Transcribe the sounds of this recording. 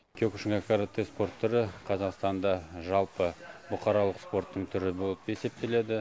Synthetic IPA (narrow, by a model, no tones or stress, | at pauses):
kʲʰøkʊʃɪŋɑkaɾat̪ːespo̞rt̪ʰːʏɾɪqʰɑzɑqst̪ɑnd̪ɑʒɑlˠpəbʊqʰɑɾɑlˠəqspo̞rt̪ːəɴt̪ʰʏɾɪbo̞lˠəpe̞se̞p̚t̪e̞le̞d̪ɪ